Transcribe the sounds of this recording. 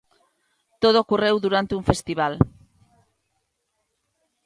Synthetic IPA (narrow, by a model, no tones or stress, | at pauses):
t̪oð̞ookurewðuɾant̪euɱfest̪iβ̞al